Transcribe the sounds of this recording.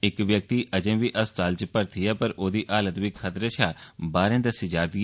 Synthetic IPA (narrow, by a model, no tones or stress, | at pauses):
ɪkʋjək̚t̪iːʔəd͡ʒẽːʋiːʔəst̪aːlt͡ʃpəɾt̪ʰiːɛːpəɾoːd̪iːʔaːlət̪ʋiːkʰət̪ɾeːt͡ʃʰaːbaːɾẽːd̪əsiːd͡ʒaːd̪i